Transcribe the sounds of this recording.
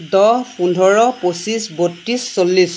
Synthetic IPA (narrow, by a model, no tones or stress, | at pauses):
dɔɦpundʱɔɹɔposisbotːisːolːis